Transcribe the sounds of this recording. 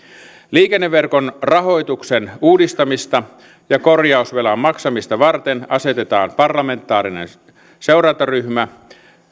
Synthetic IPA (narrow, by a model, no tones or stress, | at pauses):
liːkenːeʋːerkonrɑɦo̞jt̪uksenuːdist̪ɑmist̪ɑ | jɑko̞rjɑusʋelɑmmːɑksɑmist̪ɑʋɑrt̪enɑse̞t̪et̪ɑ̰ːmpɑrlɑme̞nt̪ːˑɑːɾinḛn | seurɑnt̪ɑryhmæ